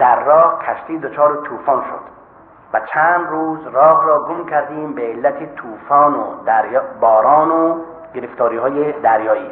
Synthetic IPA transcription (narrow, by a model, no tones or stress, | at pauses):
d̪̥æɾːɒːhkʰæʃt̪iːd̪ot͡ʃʰɒːɾet̪ʰuːfɒːnʃo̰d̪̥ | væt͡ʃʰæːnd̪ruːzrɒːɦɾɒːɡomkʰæɾd̪iːmbeːlːæt̪ʰet̪ʰuːfɒːnod̪ɾjbɒːɾɒːno | ɡeɾeft̪ʰɒːɾiːhɒːjed̪æɾjɒːʔiː